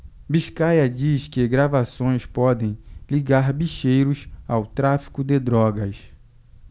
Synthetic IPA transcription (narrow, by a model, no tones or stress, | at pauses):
biʃkajɐd͡ʒiskɪɡɾavasõj̃spɔd̪ẽj̃liɡaɾbiʃejɾʊsawt̪ɾafi̥kʊd̪ɪd̪ɾɔɡɐs